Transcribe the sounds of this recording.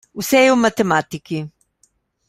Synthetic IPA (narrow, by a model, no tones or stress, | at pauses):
usɛjomat̪ɛmat̪iki